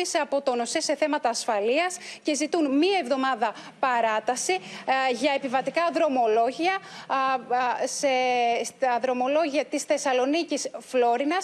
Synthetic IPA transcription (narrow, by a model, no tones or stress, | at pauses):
isɐpo̞t̪o̞no̞sese̞θe̞mɐt̪ɐːsfɐliɐsce̞zit̪unmiɐe̞vðo̞mɐðɐ | pɐɾɐt̪ɐsiʝɐe̞pivɐt̪ikɐðɾo̞mo̞lo̞ʝiɐ | sesɐðɾo̞mo̞lo̞ʝiɐt̪isθe̞sɐlo̞nicisflo̞ɾinɐs